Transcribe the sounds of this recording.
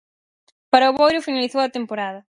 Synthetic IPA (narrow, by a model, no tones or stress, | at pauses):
paɾɐʊβojɾʊfinaliθowɐt̪empoɾaðɐ